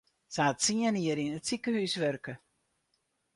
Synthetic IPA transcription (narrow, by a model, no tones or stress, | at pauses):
saatsiəniəɾinətsikəhysʋørkə